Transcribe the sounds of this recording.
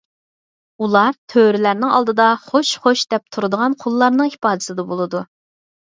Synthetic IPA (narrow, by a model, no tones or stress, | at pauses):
ulˠɑɾt̪ʰøɾɪlæɾnɪŋɑ̰lˠd̪ɨd̪ɑχoʃχoʃd̪ɛp̚t̪ʰuɾɨd̪əʁɑnqʰolˠːɑɾnɨŋhi̥pɑːd̪ɪsɨd̪ɛbolˠɨd̪u